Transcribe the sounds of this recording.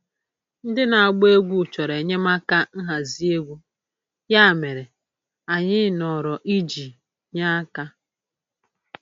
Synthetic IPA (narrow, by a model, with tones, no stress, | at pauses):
n̩˦dɪ˦na˨a˨ɡ͡be˦ɡʷu˦˨t͡ʃɔ˨ɾe˨ɲe˦ma˦ka˦n̩˦ɦa˨zi˦e˦ɡʷu˦ | ja˦˨me˨ɾe˨ | a˨ɲɪ˦nɔ˨ɾɔ˨ʔi˦d͡ʒi˨ | ɲa˦a˦ka˦